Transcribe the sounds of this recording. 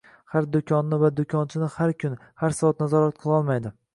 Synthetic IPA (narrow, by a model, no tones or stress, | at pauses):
haɾd̪ʊkʲʰɒnːɪvad̪ʊkʲʰɒnt͡ʃʰɪnɪhaɾkʲʰʊnhaɾsat̪nazɒɾat̪̚qʰɨlˠɒlˠmajd̪ɪ